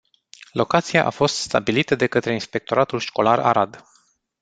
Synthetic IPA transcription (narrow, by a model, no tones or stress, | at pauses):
lo̞kat̪sijaʔa̰fo̞st̪st̪a̰bilit̪əd̪e̞kət̪ɾe̞inspe̞k̚t̪o̞ɾat̪ulʃko̞laɾa̰ɾad̪